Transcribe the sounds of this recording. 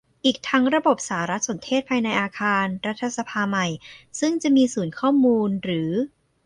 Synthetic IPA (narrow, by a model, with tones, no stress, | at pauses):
ʔiː˨˩k̚t̪ʰa˦˥ŋɾa˧bo˨˩p̚saː˩˦ɾa˦˥t̪̚so˩˦nt̪ʰeː˥˩t̪̚pʰaː˧jna˧jʔaː˧kʰaː˧nɾa˦˥t̪ʰːa˧sa˧pʰaː˧ma˨˩jsɯ˥˩ŋt͡ɕa˨˩ʔmiː˧suː˩˦nkʰɔː˥˩muː˧nɾɯː˩˦